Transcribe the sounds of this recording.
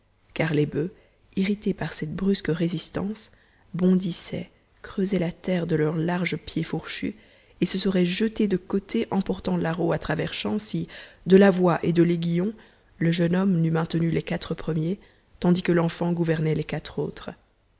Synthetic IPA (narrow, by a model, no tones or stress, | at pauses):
kaʁlebø | iʁit̪epaʁsɛt̪̚bʁyskəʁezist̪ɑ̰̃s | bɔ̃d̪isɛ̰ | kχøzɛlat̪ɛʁd̪əlœʁlaʁʒəpjefuʁʃy̰ | esəsəʁɛʒət̪ed̪əkot̪ʰeʔɑ̃pɔʁt̪ɑ̃laʁoat̪χavɛʁʃɑ̃sid̪əlavwaʔed̪əleɡʲijɔ̃ | ləʒənɔmnymɛ̃t̪nylekat̪χəpχəmje | t̪ɑ̃d̪ikəlɑ̃fɑ̃ɡuvɛʁnɛlekat̪χo̰ːt̪χə